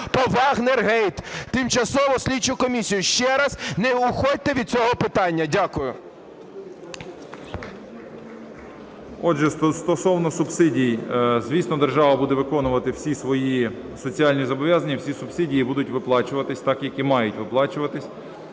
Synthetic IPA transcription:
pɔʋɑɣnerɦɛjt̪t̪ːɪmt͡ʃɐsɔʋɔsʲlʲit͡ʃʊkɔmʲisʲijʊʃt͡ʃɛɾɐznɛʊxɔt̚ʲt̪ɛʋʲid̪̚sʲɔɦɔpɪt̪ɑnʲːɐdʲakʊjʊ | ɔʒɛsst̪ɔsɔwnɔsʊbsɪdʲijzʋʲisnɔd̪erʒɑʋɐbud̪ɛʋɪkɔnʊʋɐt̪ɪw̥sʲisʋɔji | sɔt͡sʲiɑlʲnʲizɔbɔʋʲjazɐnʲːɐwsʲisʊbsɪdʲijibud̪ʊtʲʋɪplˠɑt͡ʃʊʋɐt̪ɪsʲt̪ɑkjɐkʲimɑjʊtʲʋɪplˠɑt͡ʃʊʋɐt̪ɪsʲ

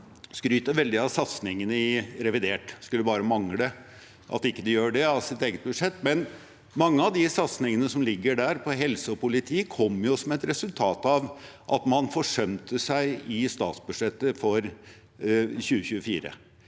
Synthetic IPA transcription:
skɾyːt̪əʋɛld̪ɪɑʋsɑt̪snɪŋənəɪɾɛʋɪd̪eːʈskʉlːəbɑːɾəmɑŋlə | ʔɑ̰t̪ɪkːəd̪ɛjøːɖɛɑsɪt̪eːɡət̪̚bʉʂɛt̪ːmɛn | mɑŋːəɑʋd̪ɪsɑt̪snɪŋənəsɔmlɪɡːəɖæːɾpʰɔɦɛlsəɔpʊlɪt̪ʰiːkʰɔmːjʊsɔmɛt̪ɾɛsʉlt̪ʰɑːt̪ɑʋʔɑ̰t̪mɑnfɔʂœmt̪ʰəsæɪɪst̪ɑ̰ːt̪sbʉ̥ʂɛt̪ːəfɔɾ | çʉːəçʉːəfiːɾə̰

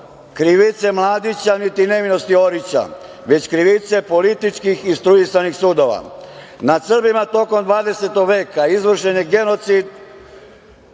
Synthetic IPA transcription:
kɾiʋit̪se̞mlˠaːd̪it͡ɕanit̪ine̞ʋino̞st̪io̞ɾit͡ɕa̰ | ʋe̞t͡ɕkɾiʋit̪se̞po̞lit̪it͡ʃkixist̪ɾuisanixsuːd̪o̞ʋa̰ | nasr̩bimat̪o̞ko̞md̪ʋaːd̪ese̞t̪oɡʋe̞ːkaizʋr̩ʃeniɡe̞no̞t̪sid̪

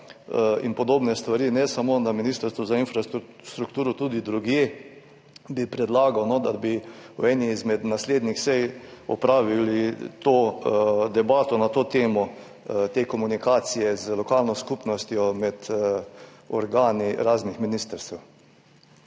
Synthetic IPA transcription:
ḭnpɔd̪oːbnɛst̪ʋaɾiːnɛsamoːnaminiːst̪əɾst̪ʋɔzainfɾa | st̪ɾukt̪uːɾɔt̪uːd̪id̪ɾuɡjeː | bipɾɛd̪laːɡawnɔd̪abiwɛːniːzmɛd̪nasleːd̪nixsɛjɔpɾaːʋilit̪oːd̪ɛbaːt̪ɔnat̪oːt̪eːmɔ | t̪eːkɔmunikaːsijɛzlɔkaːlnɔskupnɔst̪jɔmɛd̪ | ɔɾɡaːniɾaːznixminiːst̪əɾst̪ɛw

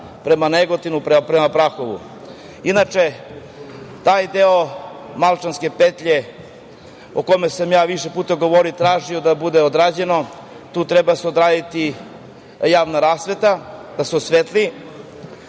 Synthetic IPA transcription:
pɾe̞maneɡot̪inupɾpɾemapɾaxo̞ʋṵ | inat͡ʃe̞ | t̪aːjd̪eomalt͡ʃanske̞pet̪ʎe̞ | okomesamjaːʋiʃe̞puːt̪aɡo̞ʋo̞ɾit̪ɾaːʒio̞d̪abud̪eod̪ɾaːd͡ʑe̞no̞ | t̪uːt̪ɾebaseo̞d̪ɾaːd̪it̪i | jaːʋnaɾaːsʋe̞t̪ad̪asosʋet̪li

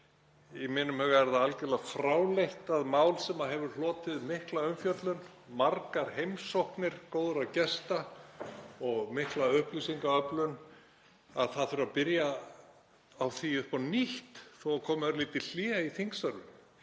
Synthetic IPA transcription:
imɪnːʏmhɛɣɛɾðaalcɛlafɾaːwlejht̪aðmaːwlsɛmaɦɛvʏɾ̥lɔːt̪ɪðmɪhklaœmfjœt̪lʏn | maɾkaɾ̥hejmsowhknɪɾ̥koːwðʏɾawcɛst̪a | ɔɣmɪhklaʏhplysiŋkaœplʏn | aðθaðθʏɾapɪɾja | awθiʏpɔniht̪θowakʰɔːmœɾliːt̪ɪl̥iːiθiŋksœɾʏm

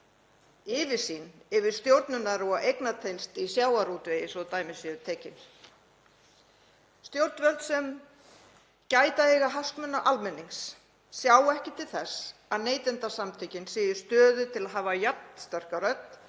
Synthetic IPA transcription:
ɪːvɪ̥sinɛvɪɾ̥st̪jowɾt̪nʏnaɾɔaʔejknat̪ʰejnst̪isjaːwaɾuːt̪vejɪsɔðt̪aːjmɪsʏðʏt̪ʰɛːcɪn | st̪jowɾt̪nvœɾlt̪sɛm | caːjt̪ahɛɣaɦaskmʏnːaʔalmɛnːiŋsː | jaːwɛhcɪt̪ʰɪlθɛsːaðneːjt̪ɪnt̪asamt̪ʰecɪnsɪːjʏ̥st̪œːðʏt̪ʰɪlaðɦaːvajat̪̚n̥st̪œr̥kaɾœt̪n̥

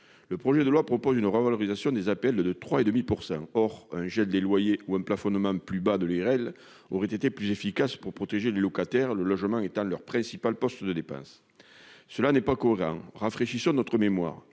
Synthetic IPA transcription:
ləpχɔʒed̪əlwapχɔpɔzynəʁəvalɔʁizasjɔ̃d̪ezapɛld̪ət̪χwaed̪əmipuʁsɑ̃ŋɔʁɛ̃ʒɛld̪elwajeuɛ̃mplafɔnmɑ̃plybad̪əlyɛʁɛl | oʁɛt̪et̪eplyzefikaspuʁpχɔt̪eʒelelɔkat̪ɛʁləlɔʒəmɑ̃et̪ɑ̃lœʁpχɛ̃sipalpɔst̪əd̪əd̪epɑ̰̃s | səlanɛpakɔeʁɑ̰̃ŋʁafχeʃisɔ̃nɔt̪χəmemwa̰ʁ

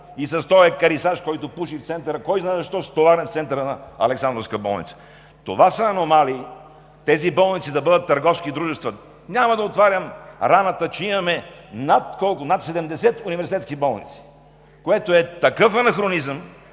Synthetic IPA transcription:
isɐst̪ɔɛkɐɾisaʃkɔjt̪opuʃift̪sɛnt̪əɾəkɔjznaɛzɐʃt̪ɔst̪ovaɾɛnft̪sɛnt̪əɾənɐɐ̰lɛksand̪ɾofskəbɔ̰lˠnḭt̪sə̥ | t̪o̰vasəːnomali | t̪ɛzibɔlˠnit̪sid̪ɐbɤd̪ət̪ːɐɾɡɔfskid̪ɾuʒɛst̪vɐ | nʲamɐd̪ɐot̪vaɾʲəmɾanət̪ət͡ʃɛimɐmɛnat̪kɔlˠkʊnat̪sɛd̪ɛmd̪ɛsɛt̪univɛɾsit̪ɛt̪skibɔlˠnit̪si̥ | koɛt̪oɛt̪ɐkɤfɐnɐxɾonizəm

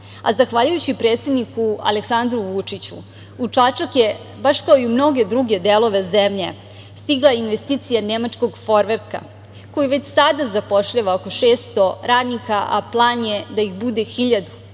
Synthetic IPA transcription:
a̰zaxʋaːʎujut͡ɕipɾet̪se̞d̪nikua̰leksand̪ɾuʋut͡ʂit͡ɕṵ | ut͡ʂat͡ʃakje | baʃkaoiumno̞ɡe̞d̪ɾuɡe̞d̪elo̞ʋe̞zemʎe | st̪iɡlˠajeinʋest̪iːt̪sijanemat͡ʃko̞ɡfoɾʋeɾka̰ | ko̞jiʋe̞t͡ɕsad̪azapo̞ʃʎaʋaoko̞ʂe̞ːst̪o̞ɾaːd̪nikaʔa̰plˠaːnje̞d̪aixbud̪e̞xiʎad̪u

